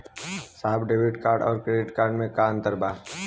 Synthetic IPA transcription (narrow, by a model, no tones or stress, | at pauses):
saːbɖeːʋɪʈkaːɾɖɔːɾkɾeɖɪʈkaːɾɖmẽkaə̃nt̪əɾbaː